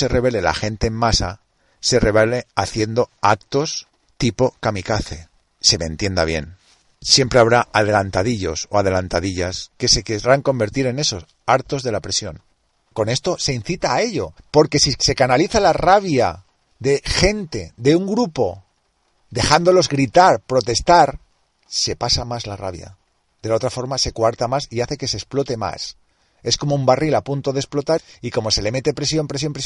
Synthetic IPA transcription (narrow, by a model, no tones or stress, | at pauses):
se̞re̞βe̞lela̰xe̞nt̪e̞ːmːmasa | se̞re̞βeleaθje̞nd̪o̞ak̚t̪o̞s | t̪ipo̞kamikaθe̞̰ | se̞mẽnt̪je̞nd̪aβje̞̰n | sje̞mpɾe̞aβɾaʔað̞e̞lant̪aðiʎo̞so̞að̞e̞lant̪aðiʎaske̞se̞keɾaŋko̞mbe̞ɾt̪iɾe̞ne̞so̞s | aɾt̪o̞zðe̞lapɾe̞sjo̞ŋ | ko̞ne̞st̪o̞se̞in̟θit̪aːe̞ʎo̞po̞ɾke̞sise̞kanaliθalaraβja̰ | ðe̞xe̞nt̪e̞d̪e̞uŋɡɾupo̞ | d̪e̞xand̪o̞lo̞zɣɾit̪aɾpɾo̞t̪e̞st̪aɾ | se̞pasamazlara̰βja̰ | d̪e̞lao̞t̪ɾafo̞ɾmase̞kwaɾt̪amasiaθe̞ke̞se̞ːsplo̞t̪e̞ma̰s | e̞sko̞moumbarilapunt̪o̞ðesplo̞t̪aɾiko̞mo̞se̞le̞me̞t̪epɾe̞sjo̞mpɾe̞s̬jo̞mpɾes